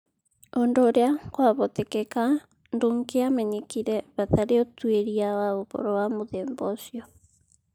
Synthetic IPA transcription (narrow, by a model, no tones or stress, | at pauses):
ondoːɾeakwaβɔtekɛka | ndoŋkeamɛɲekiɾɛβataɾeotweɾiawaoβo̰ɾɔwamoðeːmbɔsjɔ